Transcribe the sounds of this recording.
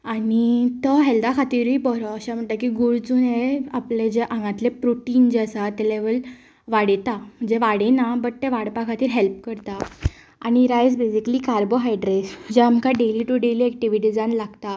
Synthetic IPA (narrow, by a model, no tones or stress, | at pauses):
anit̪əɦɛld̪akʰat̪iːɾipɔɾɔəɕam̤əɳt̪akiɡuɭd͡zuːneapled͡ʑeʔãŋɡãt̪lepɾoʈiːnd͡ʑasat̪eleʋəl | ʋaɽt̪am̤əɳd͡ʑeʋaɽenabəʈt̪ːeʋaɽpakʰat̪iːɾɦelp̚kəɾt̪a | añiɾajd͡zbesiklikaɾboɦajɖɾesd͡ʑeamkaɖeliʈuɖeliːɛk̚ʈiʋiʈid͡zanlaɡt̪a